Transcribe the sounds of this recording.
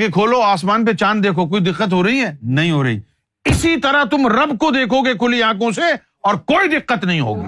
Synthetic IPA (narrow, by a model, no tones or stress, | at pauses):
kekʰoːloaːsmaːnp̬et͡ʃaːnd̪eːkʰokoːid̪ɪqːət̪̬ɦoːɾɐɦiɦɛːnɐɦĩɦoːɾɐɦḭː | ɪsit̪ɐɾat̪ʊmɾɐbkod̪eːkʰoɡekʰʊliãːk̬õse | ɔːɾkoːid̪ɪqːət̪nɐɦĩɦo̰ːɡḭː